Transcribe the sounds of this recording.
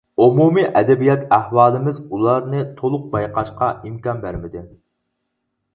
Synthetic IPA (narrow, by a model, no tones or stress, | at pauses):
omumiʔɛd̪ɛbijɑt̪ʰæhwɑːlˠɨmɪzulˠɑɾnɨt̪ʰolˠʊq̚bɑjqʰɑʃqɑimkɑnbæɾmɪd̪ɪ